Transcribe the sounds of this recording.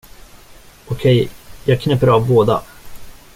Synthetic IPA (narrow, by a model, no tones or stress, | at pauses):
ɔkʰɛjjɑːɡ̚kʰnɛpːəɾɑvboːd̪a̰